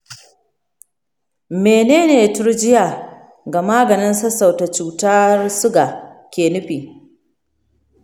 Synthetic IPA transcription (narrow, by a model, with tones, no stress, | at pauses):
meː˨neː˦neː˨tʊ˦ɾd͡ʒɪ˦ja˨ | ɡa˨maː˦ɡɐ˨nɪ˦nsɐ˦sa˨wta˨t͡ʃuː˨ta˦rsʊ˦ɡa˨kʲeː˨nʊ˦ɸiː˨